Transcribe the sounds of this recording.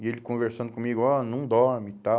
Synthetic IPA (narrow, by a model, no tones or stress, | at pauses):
ielɪkõveɾsɐ̃d̪ʊkõmiɡʊɔnɐ̃w̃d̪ɔmit̪a